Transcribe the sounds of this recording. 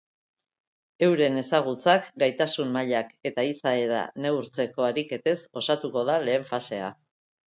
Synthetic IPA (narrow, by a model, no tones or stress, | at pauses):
e̞wɾe̞ne̞saɣ̞ut͡sakɡajt̪asummaʎake̞t̪aisae̞ɾa̰ne̞uɾt͡se̞ko̞aɾike̞t̪e̞so̞sat̪uko̞ðale̞ːɱfase̞a̰